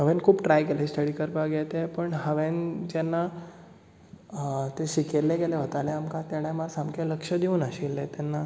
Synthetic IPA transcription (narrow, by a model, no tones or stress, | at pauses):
ɦəʋẽnkʰuːpʈɾajkeleisʈ̪ʰəɽiːkəɾpaɡʱɛt̪epəɳɦəʋend͡ʑanːa | t̪eɕikeɾleɡeleɦot̪aleamkãt̪jaɽ̃ãmaɾsamkeləkʂəd̪iuːnaɕilːet̪anːa